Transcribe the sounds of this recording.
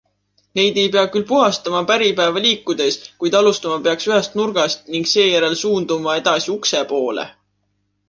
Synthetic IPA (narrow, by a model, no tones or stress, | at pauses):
ne̞jd̪̥e̞jpe̞ɑkylpuɦɑst̪ɑmɑpæɾipæevɑliːkːˑud̪̥e̞skujd̪ɑlust̪ɑmɑpe̞ɑksyɦest̪nurɡ̥ɑst̪niŋɡse̞ːjæɾe̞lsuːnd̪̥umɑe̞d̪̥ɑsiuksepo̞ːlḛ